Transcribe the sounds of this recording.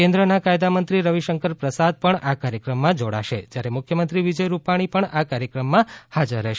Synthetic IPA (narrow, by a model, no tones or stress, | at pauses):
kẽnd̪ɾənakajd̪amənt̪ɾiɾəʋiʃəŋkəɾpɾəsad̪̚pəɳakaɾjəkɾəmːãd͡ʒoɽa̰ʃḛd͡ʒjaɾemʊkʰjəmənt̪ɾiʋid͡ʒəjɾupaɽ̃ipəɳakaɾjəkɾəmːãhad͡ʒəɾːɛʃe